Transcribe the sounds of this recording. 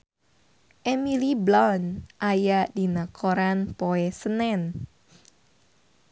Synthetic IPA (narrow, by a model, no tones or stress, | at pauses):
ʔɛmiliblɔnʔajaʔdinakʰoɾanpoɛsənɛn